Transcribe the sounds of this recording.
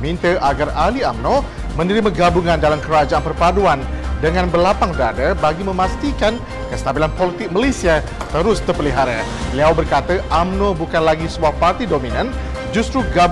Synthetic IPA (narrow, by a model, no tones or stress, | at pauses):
mint̪əʔaɡaraliamnõ | mə̃nəɾiməɡabuŋãndalamkəɾad͡ʒaʔanpərpaduandəŋãnbəlapaŋdadəbaɡimə̃mãst̪ikan | kəst̪abilanpolit̪ɪk̚məlesia | t̪əɾʊst̪ərpəliɦaɾa̰ | liawbərkat̪əʔamnõbukanlaɡisəbuahpart̪idominə̃n | d͡ʒust̪ɾuɡa